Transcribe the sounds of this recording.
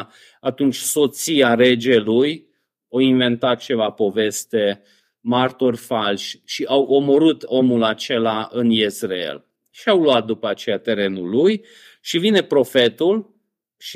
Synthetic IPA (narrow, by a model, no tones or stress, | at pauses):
at̪unt͡ʃʲso̞t̪siaɾe̞d͡ʒe̞luj | awinve̞nt̪at̪̚t͡ʃe̞vapo̞ve̞st̪e̞ | mart̪orʲfalʃʃiʔawʔo̞mo̞ɾɨt̪o̞mulat͡ʃe̞laʔɨnjesreḛl | ʃiawluat̪̚d̪upəat͡ʃe̞jat̪e̞ɾe̞nulːuj | ʃivine̞pɾo̞fe̞t̪ul | ʃ